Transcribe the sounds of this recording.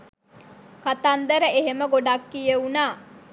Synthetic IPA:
kat̪and̪əɾəeɦeməɡoɖakːijəunaː

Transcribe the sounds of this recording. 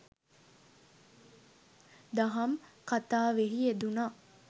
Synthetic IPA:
d̪aɦɐmkat̪aːʋeɦied̪unaː

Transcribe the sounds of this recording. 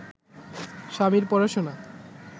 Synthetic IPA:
ʃamiɾpɔɾaʃona

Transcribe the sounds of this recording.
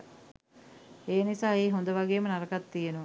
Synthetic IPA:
eːnisaːeːɦond̪əʋaɡeːmənaɾəkat̪ːijənəʋə

